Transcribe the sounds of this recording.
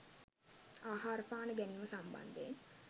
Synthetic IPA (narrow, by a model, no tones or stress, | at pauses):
aːɦaːɾəfaːnəɡæniːməsambɐ̰nd̪eːŋ